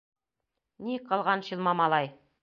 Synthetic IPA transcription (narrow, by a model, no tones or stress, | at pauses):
niqʰɑlˠʁɑnɕɤlˠmɑmɑlˠɑj